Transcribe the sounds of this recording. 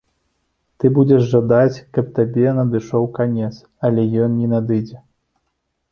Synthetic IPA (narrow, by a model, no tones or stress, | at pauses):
t̪ɨbud͡zʲɛʂʐad̪at͡sʲkɐp̚t̪abʲɛnɐd̪ɨʂɔwkanʲɛt̪s | ɐlʲɛjɔnnʲɛnad̪ɨd͡zʲɛ